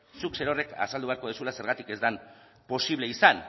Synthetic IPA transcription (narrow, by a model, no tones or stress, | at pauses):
sukse̞ɾo̞re̞ka̰sald̪uβeaɾko̞ð̞esulase̞ɾɣat̪ike̞zd̪am | po̞siβle̞isan